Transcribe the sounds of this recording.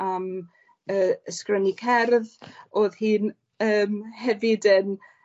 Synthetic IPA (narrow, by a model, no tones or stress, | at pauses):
am | əəskrənikʰɛrðoːðhiːn | əːmhɛvɪdən